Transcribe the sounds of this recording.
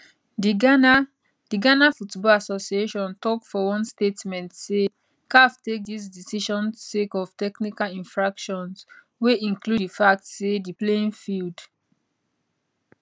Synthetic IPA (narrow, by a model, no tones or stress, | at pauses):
diɡana | d̥iɡanafutbɔlasosieʃɔ̃ntɔk̚tfɔwɔ̃nstetmɛ̃ntse | kaftek̚dis̬disiʃɔ̃nsekɔv̥tɛknikalĩnfɹakʃɔ̃ns | weĩŋkluifak̚tsediplẽnfild